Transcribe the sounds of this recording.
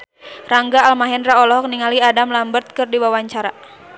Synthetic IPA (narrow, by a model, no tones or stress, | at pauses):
raŋɡaːlmaɦɛnraɔlɔɦɔk̚niŋaliadamlambərt̪̚kɨrdiwawaɲt͡ʃaɾa